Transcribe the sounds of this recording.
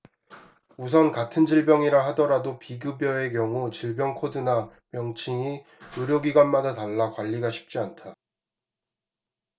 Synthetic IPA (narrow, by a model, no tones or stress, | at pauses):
mus̬ʰʌnkatʰɯnd͡ʑiɭbjʌŋiɾaɦadʌɾadopiɡjubjʌe̞k̬jʌŋut͡ɕiɭbjʌŋkʰodɯnamjʌŋt͡ɕʰiŋi | juɾjoɡiɡwanmadataɭːakwaʎːiɡaɕʰi̥p̚t͡ɕ͈iantʰa